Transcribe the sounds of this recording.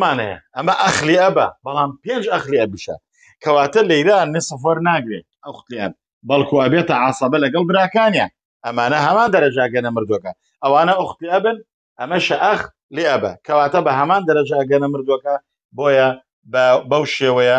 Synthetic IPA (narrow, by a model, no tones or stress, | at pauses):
maːnhɐ̰jɐ̰ʔɐmɐʔɐxliʔɐbɐ̰bɐlaːmpeːnd͡ʒɐxliɐbiʃɐ̰ | kʰɐwaːt̪ɐlɐjɾanːɪsɨfwɐɾnaːɡɾḛ | ɐxt̪liɐ̰b̚ | bɐlˠkʰuɐbeːt̪ɐʕɑsˤɑbɐlɐɡɐlˠbɨɾaːkaːnjɐ | ʔɐmaːnɐɦɐmaːnd̪ɐɾɐd͡ʒɐɐɡɐnɐmɨɾd̪wokɐ | ʔɐwaːnɐʔʊxt̪liɐbɨn | ʔɐmɐʃɐʔɐx | liɐbɐ̰kʰɐwaːt̪ɐbɐɦɐmaːnd̪ɐɾɐd͡ʒɐɐɡɐnɐmɨɾd̪uwokɐ | boːjɐ | bbɐwʃeːwɐjɐ